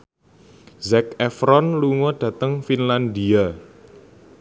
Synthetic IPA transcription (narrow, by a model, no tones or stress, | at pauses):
zɛkɛfɾɔnluŋɔɖ̥ä̤t̪əŋfinland̪ia